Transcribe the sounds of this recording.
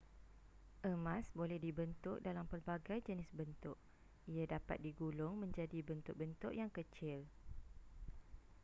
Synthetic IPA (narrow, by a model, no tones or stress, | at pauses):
ʔəmãsbolɛhdibənt̪ʊʔ̚dalampərbaɡajd͡ʒənɪsbənt̪ʊʔ̚ | ijadapa̰t̪̚diɡulʊŋmə̃ɲd͡ʒadibənt̪ʊʔ̚bənt̪ʊʔjaŋkət͡ʃɪl